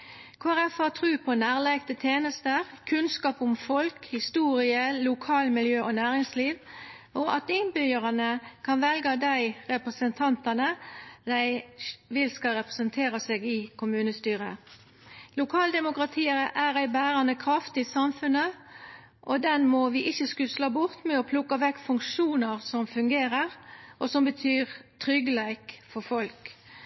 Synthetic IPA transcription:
kʰoæʁɛfɑt̪ʰʁʉːpʰɔnæːʁlæɪɡt̪ət̪ʰjeːnəst̪əʁkʰʉnskɑːpʊmfɔlkhɪst̪uːʁɪəlʊkʰɑːlmɪljøːʔɔnæːʁɪŋsliːʋ | ʔɔʔɑt̪ɪnbʏəʁɑnəkʰɑnʋɛlɡɑd̪æɪʁɛpʁəsənt̪ʰɑnt̪ɑnəd̪æɪʋɪlskɑʁɛpʁəsənt̪ʰeːʁəseːɡɪkʰʊmʉːnəst̪yːʁə̰ | lʊkʰɑːld̪ɛmʊkʁɑt̪ʰiːəɾəʔæʁæɪbæːɾɑnəkʰɾɑft̪ɪsɑmfʉnə | ʔɔd̪ɛnmɔʋɪʔɪçːəskʉslɑbʊʁt̪mɛɔpʰlʊkːɑʋɛkːfʉŋkʃuːnəʁsɔmfʉŋɡeːɾəʁʔɔsɔmbət̪ʰyːʁt̪ʰʁʏɡəlæɪkfɔfɔlk

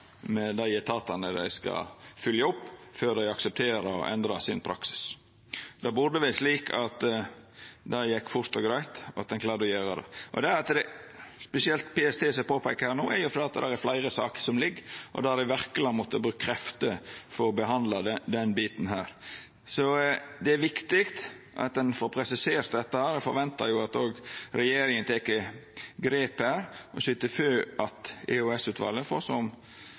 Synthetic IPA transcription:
mɛd̪æɪjɛt̪ʰɑːt̪ɑnəd̪æ̰ɪskɑ̰fʏljɑʊpːføːd̪æɪɑksəp̚t̪ʰeːɾəɔ̰ʔɛnd̪ɾɑsɪ̰npʰɾɑ̰ksɪ̥s | d̪̥ɑːbʊd̪əʋɪsliːkʰɑt̪ | d̪æɪjɛkːfʊɾt̪ɔɡɾæɪt̪ɑ̰t̪̚d̪ɛnklɑːɾd̪ɔjøːɾəd̪ɛ̰ʔɔ̰d̪ɛɾɑt̪d̪ɛspɛsɪɛlt̪pʰeːɛst̪ʰeːsɛpoːpʰæɪkːəhæːnuːæ̰ɾjʊfɔɾd̪eːɑt̪d̪æɾæɾflæɪɾəsɑ̰ːkə̥sɔmlɪɡːʔɔ̰d̪æd̪æʋæɾkəlɑnmɔt̪ːəbɾʉːkkʰːɾɛft̪əfɔɾɔbəɦɑnd̪lɑd̪əd̪ɛnbiːt̪n̩hæːɾ | sɔd̪ɛæɾʋɪkt̪ɪkt̪ | ʔɑ̰t̪̚d̪ɛnfɔɾpʰɾɛsɪseːɾt̪d̪ɛt̪ːəhæːɾd̪ɛfɔɾʋɛnt̪ɑɾjʊɑt̪oːɡɾɛjeːɾɪŋənt̪ʰekːəɡɾeːpæːɾʔɔsʏt̪ːəføːʔɑt̪ɛ̰ʉɛsʉːt̪ʰʋɑ̰ːlːəfoːsɔm

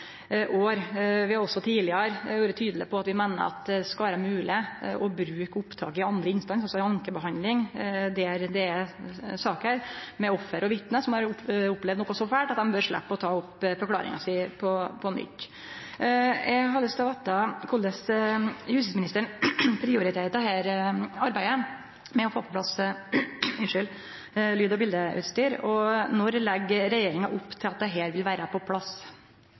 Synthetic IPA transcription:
ʔoːɾʋɪhɑɾɔsɔt̪ʰiːlɪəɾjuːɾət̪ʰyːd̪əlɪpʰɔɑt̪ʋɪmæɪnə̰ɾɑ̰t̪ɛskɑʋæːɾəmʉːlɪʔɔbɾʉːkəʊpt̪ʰɑ̰ːkɪɑnd̪ɾəɪnst̪ɑnsɑlsɔɑŋkəbəɦɑnd̪lɪŋd̪ɛæɾd̪ɛ | sɑːkəhæːɾmɛɔfːəɾɔʋɪt̪nəsɔmhɑɾʊpːlɛvd̪nɔːkɔsɔfæːʈɑt̪̚d̪ɛmbøːɾʂɭæ̰pːəɔt̪ʰɑːʊpːfɔɾklɑ̰ːɾɪ̰ŋɑ̰sɪpʰɔpʰɔnʏ̰t̪ː | ɛɡɦɑləst̪ɑʋɑt̪̚ɑkʰʊld̪əshʉst̪ɪsmɪnɪst̪əɳpʰɾɪʊɾɪt̪ʰeːt̪ɑɦeːɾɑɾbæɪə | mɛɔfoːpʰɔpʰlɑs | ɪnʂʏl | lyːd̪ɔbɪld̪əʔʉ̰ːt̪st̪yːɾɔnɔɾlɛɡːɾɛjeːɾɪŋɑʔʊpːt̪ʰɪlɑt̪̚d̪ɛɦeːɾʋɪlʋæːɾəpʰɔpʰlɑs

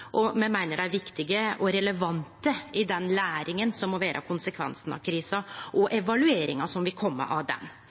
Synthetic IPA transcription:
ʔɔmɛmæɪnəɖæɪʋɪkt̪ɪɡəɔɾɛləʋɑnt̪əɪd̪ɛnlæːɾɪŋənsɔmːɔʋæːɾʔə̰kʰʊnsəkʰʋɛ̰nsənɑ̰ʋkʰɾiːsɑʔɔʔɛʋɑlʉeːɾɪ̰ŋɑsɔmʋɪlkʰɔmːə̰ʔɑʋd̪ɛ̰n

